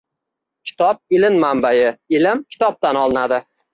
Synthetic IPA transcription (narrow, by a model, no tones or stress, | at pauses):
kʲʰɪ̥t̪ʰɒp̚ɪlɪnmambajɪɪlɪmkʲʰɪ̥t̪ʰɒp̚t̪anɒlˠɪnad̪ɪ